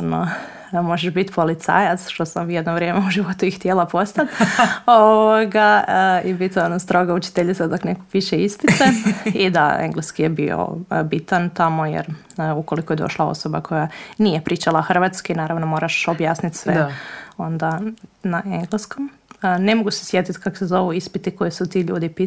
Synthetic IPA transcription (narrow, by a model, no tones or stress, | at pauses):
no̰ | mo̞ʒeʃbit̪po̞lit̪sa̰ːjat̪sʃt̪o̞samjed̪noʋɾje̞meuʒiʋo̞t̪uixt̪jelˠapo̞st̪at̪oʋoɡaəibit̪onost̪ɾo̞ɡaut͡ʃi̥t̪eʎit̪sad̪oknekopiːʃeist̪isanid̪a̰ḛŋɡleskijebio̰bit̪ant̪amo̞jḛɾ | uko̞likojed̪o̞̰ʃlˠao̰soba̰kʰo̞janijepɾiːt͡ʃalˠaxr̩ʋat̪skainaːɾaʋnomo̞ːɾaʃobjaːsnit̪sʋeo̞nd̪anaʔeŋɡlesko̞m | ne̞moɡusesjet̪it̪kako̥sezo̞ʋuispit̪ikojesut̪iːʎṵːd̪ipi